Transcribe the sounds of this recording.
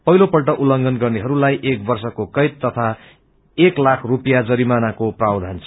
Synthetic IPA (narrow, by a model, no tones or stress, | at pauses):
pʌɦilopʌlʈʌʔulʌŋɡʌnɡʌrneɦʌɾulajʔek̚bʌrsʌkokʌjt̪ːʌt̪ʰa | eklakʰrupjad͡zʌɾimanakoprawd̪ʱant͡sʰʌ